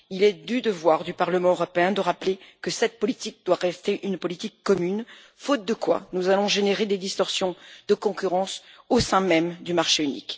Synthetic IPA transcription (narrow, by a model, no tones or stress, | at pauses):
ilɛd̪yd̪əvwaʁd̪ypaʁləmɑ̃øʁɔpeɛ̃d̪əʁaplekəsɛt̪̚pɔlit̪ik̚d̪waʁɛst̪eʔynpɔlit̪ikːɔmyn | fot̪̚d̪əkwa̰nuzalɔ̃ʒeneʁed̪ed̪ist̪ɔʁsjɔ̃d̪əkɔ̃kʲyʁɑ̃sosɛ̃mɛmd̪ymaʁʃeynḭk